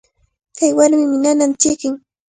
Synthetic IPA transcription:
kajwaɾmɪmɪnanant͡ʃɪkɪŋ

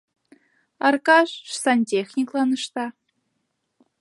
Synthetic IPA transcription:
ɑrkɑʂʂsɑnʲtʲexʲnʲiklˠɑnɤ̆ʂt̪ɑ

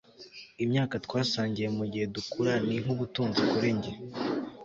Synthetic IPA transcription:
imɲaːkatwaːsaːɲɟije̞muɟihe̞dukuɾaniŋuβutuːnzikuɾe̞ɲɟe

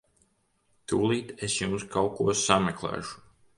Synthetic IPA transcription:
t̪uːlˠiːt̪esjumskawkuɔsamʲɛklˠæ̰ːʃu̥

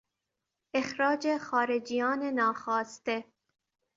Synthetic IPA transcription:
exɾɒːd͡ʒexɒːɾed͡ʒijɒːnenɒːxɒːst̪e

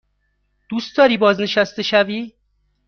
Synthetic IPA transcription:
d̪̥ust̪d̪ɒːɾiːbɒːzne̞ʃæst̪e̞ʃæviː

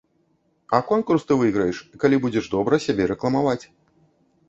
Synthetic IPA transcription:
ɐkɔnkurst̪ɨvɨɣɾɐjɛʂkalʲibud͡zʲɛʐd̪ɔbɾɐsʲabʲɛɾɛklˠɐmavat͡sʲ

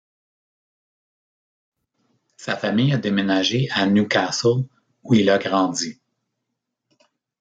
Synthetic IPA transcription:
safamɪjad̪emenaʒeʔanukaso | uilaɡʁɑ̃d͡z̪i

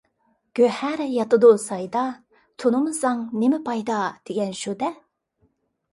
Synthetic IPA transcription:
ɡ̥ʲøhæɾjɑt̪ɨd̪usɑjd̪ɑ | t̪ʰonɨmɨzɑŋnemɪpʰɑjd̪ɑd̪̥eɡʲɛnʃud̪ɛ

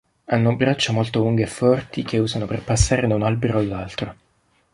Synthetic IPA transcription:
anːobɾat͡ʃːomolt̪oluŋɡeefːɔrt̪ik̟ʰeuːzanoperpasːaːɾed̪aunalbeɾoalːalt̪ɾo

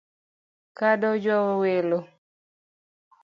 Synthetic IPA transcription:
kadɔd͡ʒɔwɔwelo

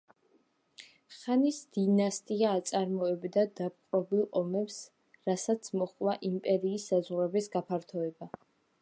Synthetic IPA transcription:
χanisd̪̥inast̪ʼiaːt̪sʼaɾmɔɛbd̪ad̪ap̚ʼqʼɾɔbilˠɔmɛps | ɾasat̪sʰmɔχʼwaʔimpʼɛɾiːsːazʁɾɛbisɡapʰaɾt̪ʰɔɛba

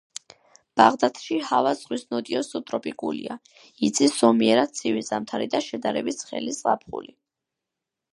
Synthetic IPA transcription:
b̥aʁd̪at̪ʰʃihavazʁwisnɔd̪iɔsut̪ʼɾɔpʼikʼulḭa | it̪sʰisɔmiɛɾat̪̚sʰivizamt̪ʰaɾid̪aʃɛd̪aɾɛbisχɛ̰lisʼapʰχṵli

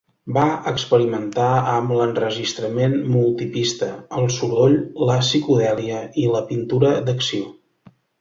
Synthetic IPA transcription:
baəkspəɾimənt̪aəmlənrəʒist̪ɾəmenmulˠt̪ipist̪əəlˠsuɾoʎləsikuðɛliəiləpint̪uɾəd̪əksio

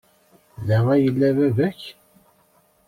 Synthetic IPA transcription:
ðəʁæjəlːævævæç

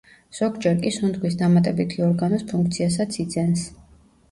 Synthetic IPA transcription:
z̥ɔɡd͡ʒɛɾkʼisund̪ɡwisd̪amat̪ʼɛbit̪ʰiɔɾɡanɔspʰuŋkʰt̪sʰias̬at̪sʰid̪zɛns

